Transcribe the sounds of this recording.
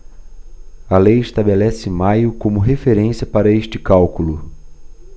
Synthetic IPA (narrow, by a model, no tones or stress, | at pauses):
ɐlejɪʃt̪abelɛsɪẽmajʊkõmʊɦefeɾẽsiɐpaɾɐeʃt͡ʃɪ̥kawkulʊ